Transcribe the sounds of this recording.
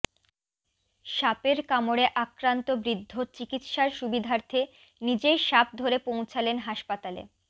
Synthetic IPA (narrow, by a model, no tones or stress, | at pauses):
ʃapeɾkamoɽeʔakɾant̪obɾid̪ʱːot͡ɕikit̪ʃaɾʃubid̪ʱaɾt̪ʰe | nid͡ʑejʃap̚d̪ʱoɾepow̃t͡ɕʰalenɦaʃpat̪alḛ